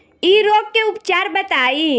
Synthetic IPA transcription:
iːɾoːp̚keʊpt͡ʃaːɾbɐt̪aːi

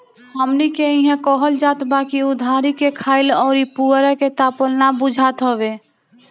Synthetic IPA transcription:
ɦəmnikeĩɦɛ̃kɔːɦəld͡ʒaːt̪baːkiʊd̪ʱaːɾikekʰaːɪlɔːɾipuɾɛket̪aːpəlnabʊd͡ʒʱaːt̪ɦoːʋeː

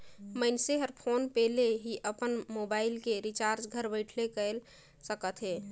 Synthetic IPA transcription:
məɪnseɦəɾpʰonpɛɦleɦiʔəpənmobaɪlkeɾit͡ʃaɾd͡ʒɡʱəɾbəɪʈʰlekəl | səkət̪ɦe

